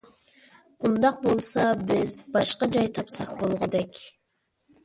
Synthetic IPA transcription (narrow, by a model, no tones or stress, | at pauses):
und̪ɑq̚bolˠsɑbɪzbɑʃqɑd͡ʒɑjt̪ʰɑpsɑq̚bolˠʁʊd̪ɛkʲ